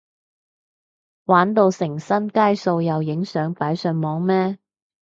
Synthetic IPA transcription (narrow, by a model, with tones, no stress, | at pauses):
waː˨˥nt̪o˧wsɪ˨˩ŋsɐ˥nkaː˥jso˧wjɐ˨wjɪ˨˥ŋsœː˨˥ŋpaː˨˥jsœ˨˧nmɔː˨˥ŋmɛː˥